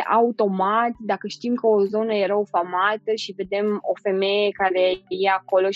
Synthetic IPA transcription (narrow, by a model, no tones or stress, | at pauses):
ʔaut̪o̞mat̪ʲd̪akəʃt̪imkəo̞zo̞nəjeɾaofamat̪əʃive̞d̪e̞mo̞̰fe̞me̞je̞kaɾe̞jeako̞lo̞